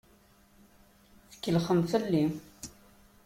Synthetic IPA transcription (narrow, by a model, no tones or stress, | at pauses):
θə̥kːəlχəmθəlːi